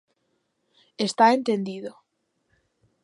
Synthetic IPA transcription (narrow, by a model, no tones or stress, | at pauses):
est̪aent̪end̪iðo